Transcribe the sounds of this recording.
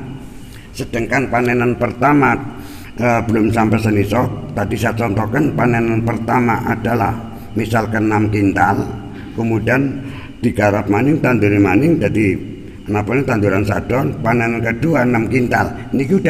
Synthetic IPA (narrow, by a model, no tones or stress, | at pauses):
səd̥əŋkanpanɛnanpərt̪ama | əbəlʊmsampɛsənisɔt̪adisaat͡ʃɔnt̪ɔkənpanɛnanpərt̪amaʔad̥ala̰h | misalkənamkint̪al | kəmudian | d̥iɡaɾap̚manɪŋt̪and̪uɾimanɪŋdadi | ənapaɲat̪and̪uɾansad̥ɔnpanɛnankəduanamkint̪a̰l | nikida